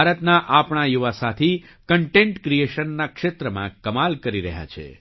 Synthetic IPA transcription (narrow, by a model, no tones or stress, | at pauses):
aɾət̪naʔapɳajuʋasat̪ʰi | kəɳʈẽɳʈkɾieʃənːakʃet̪ɾəmãkəmalkəɾiɾəɦja̰t͡ʃʰḛ